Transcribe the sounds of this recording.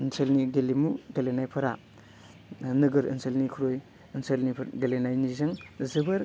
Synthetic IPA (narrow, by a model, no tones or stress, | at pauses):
ɯnsʰelniɡelimuɡelenajpʰɐɾa | nɯɡɯɾḭnselnikʰuɾoj | ɯnselniɡelenajnizɐŋzɯbɐɾ